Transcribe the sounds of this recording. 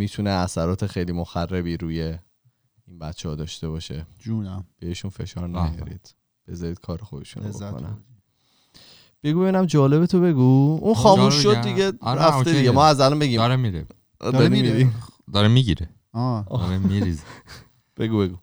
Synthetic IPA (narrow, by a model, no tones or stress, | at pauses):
miːt̪ʰuneæsæɾɒːt̪ʰexejliːmoxærːebiːɾuːje | inbæt̪t͡ʃʰːehɒːd̪ɒːʃt̪e̞βɒʃed͡ʒunæb̥eeʃunfe̞̰ʃɒːɾnæjɒ̰ɾḭːd̪̥ | b̥e̞zɒɾiːd̪̥̚kʰɒːɾexod̪eʃṵnoboo̰næ̰ | b̥e̞ɡube̞βinæmd͡ʒɒːle̞bet̪ʰobe̞ɡuunxɒːmuʃʃːod̪d̪iɡeɾæft̪ed̪iɡemɒːæzælɒmbe̞ɡiːmɾemiɾe | d̪ɒɾɾimiɾid̪ɒɾemiɟiɾe | ɾemiɾiz | b̥eɡube̞ɡu